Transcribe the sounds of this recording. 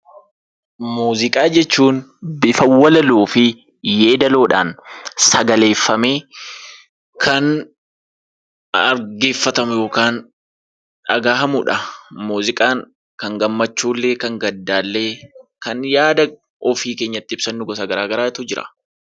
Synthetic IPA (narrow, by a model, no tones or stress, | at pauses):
muːzɪkʼaːd͡ʒɛt͡ʃːuːnbɪfɐwːɐlɐluːfɪ | jeːd̪ɐlo̞ːᶑa̰ːnsɐɡɐle̞ːfːɐme̞ː | kʰɐn | ɐɾɡe̞ːfːɐt̪ɐmʊjo̞ːkaːn | ᶑɐɡaːhɐmʊᶑɐmuːzɪkʼaːŋ | kɐŋɡɐmːɐt͡ʃːuːlːe̞ːkɐŋɡɐd̪ːaːlːe̞ːkɐnjaːd̪ɐ | ɔfiːke̞ːɲːɐt̪ːɪɪb̥sɐnːʊɡɔsɐɡɐɾaːɡɐɾaːɪt̪ʊd͡ʒɪɾɐ̥̰